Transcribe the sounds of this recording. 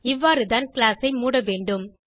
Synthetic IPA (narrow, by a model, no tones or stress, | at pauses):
ɪʋːaːɾɯðaːnklaːsɐɪmuːɽɐʋeːɳɖɯm